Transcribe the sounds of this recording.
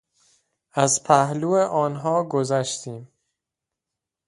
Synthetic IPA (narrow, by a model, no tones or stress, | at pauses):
æzpʰæhluːeʔɒːnɦɒːɡozæʃt̪ʰiːm